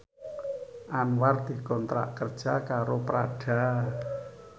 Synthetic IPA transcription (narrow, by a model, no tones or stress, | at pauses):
ʔanward̪̥i̤kɔnt̪ɾa̰ʔkərd̥ʒ̥akaɾopɾaɖ̥a̤